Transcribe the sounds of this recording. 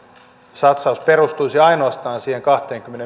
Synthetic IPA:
sɑt̪sɑusperust̪uisiɑinoɑst̪ɑːnsiːheŋkɑht̪eːŋkymːene

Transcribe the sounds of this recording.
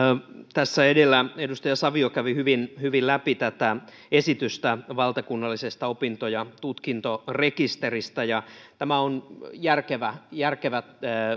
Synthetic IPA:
t̪æsːæedelːæedust̪ɑjɑsɑʋiokæʋihyʋinhyʋillæpit̪æt̪æ | esit̪yst̪æʋɑlt̪ɑkunːɑlːisest̪ɑopint̪ojɑt̪ut̪kint̪orekist̪erist̪æjɑt̪æmæonjærkeʋæjærkeʋæt̪ː

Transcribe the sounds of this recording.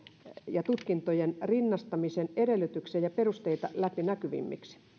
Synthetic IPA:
jɑt̪ut̪kint̪ojenrinːɑst̪ɑmisenedelˑːyt̪yksejɑperust̪eit̪ɑlæpinækyʋḭmːḭksi̥

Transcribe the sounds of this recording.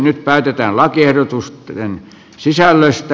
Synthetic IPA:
nyt̪̚pæˑyt̪et̪æːnlɑkiehdot̪ust̪en | sisælːøst̪

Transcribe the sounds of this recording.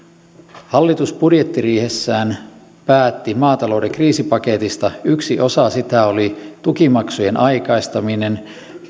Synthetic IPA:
hɑlːit̪usbudje̞t̪ːiriːhe̞sːæːn | pæːt̪ːimɑːt̪ɑlo̞wdeŋkriːsipɑke̞t̪ist̪ɑyksiʔosɑsit̪æolit̪ukimɑksujenʔɑjkɑjst̪ɑmine̞n

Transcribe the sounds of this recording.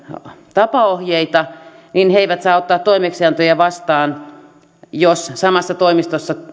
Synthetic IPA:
t̪ɑpɑohjeit̪ɑ | ninheiʋæt̪sɑːot̪ːɑːt̪toimekseɑnt̪ojɑʋɑst̪ɑːn | jossɑmɑsːɑt̪oimist̪osːɑ

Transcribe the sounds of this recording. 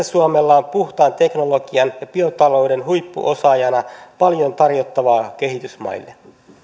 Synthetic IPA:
æsuome̞lːɑːmpuht̪ɑːnt̪ekno̞lo̞ɡiɑnjɑpiot̪ɑlo̞jde̞nɦujpːṵʔo̞sɑjɑnɑpɑljo̞nt̪ɑrjot̪ːɑʋɑːk̟e̞ɦit̪ysmɑ̰ijlːe

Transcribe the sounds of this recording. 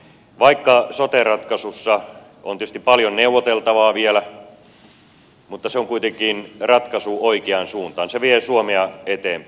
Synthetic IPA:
ʋɑikːɑsot̪erɑt̪kɑsusːɑ | o̰niˑøˑst̪ippɑljonneuwːˑot̪elt̪ɑʋɑːʋielæ | mut̪ːɑseoŋkuit̪eŋkinrɑt̪kɑsuoikeɑnsuːnt̪ɑ̰ːnseʋiesuomeɑet̪eːmp

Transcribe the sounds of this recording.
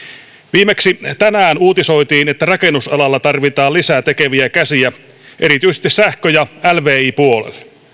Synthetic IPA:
ʋiːmeksit̪ænæːnuːt̪iso̞jt̪iːnet̪ːærɑkenːusɑ̰lɑlːɑt̪ɑrʋit̪ɑːlisæt̪ekeʋiækæsiæ | ʔe̞ɾit̪yjsest̪issæhkøjɑælʋeːiːpuolḛlː

